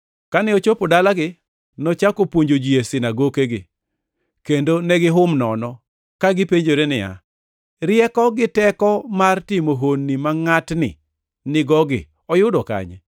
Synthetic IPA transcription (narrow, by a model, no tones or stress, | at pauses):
kanɪot͡ʃopodalaɡɪ | nɔt͡ʃakopwoɲd͡ʒod͡ʒiesɪnaɡokeɡɪ | kendonɛɡɪɦʊmnɔnɔ | kaɡɪpeɲd͡ʒoɾenɪja̰ | ɾɪjɛkɔɡɪtɛkɔmartɪmoɦonːimaŋatnɪ̰ | nɪɡɔɡɪ̰ | ɔjʊdɔka̰ɲɛ̰